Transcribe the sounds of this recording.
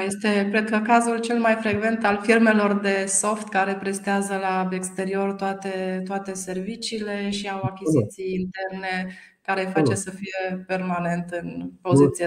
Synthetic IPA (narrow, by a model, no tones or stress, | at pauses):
je̞st̪e̞kɾed̪̚kəkazult͡ʃe̞lmajfɾe̞ɡve̞nt̪alfirme̞lo̞rd̪e̞so̞ft̪kaɾe̞pɾe̞st̪eazəlaekst̪e̞ɾio̞rt̪oat̪e̞t̪oat̪e̞se̞rvit͡ʃiːle̞ʃiawakʲizit̪sijːnt̪e̞rne̞ | kaɾe̞fat͡ʃe̞səfije̞pe̞rmane̞nt̪ɨnpo̞zitt̪sie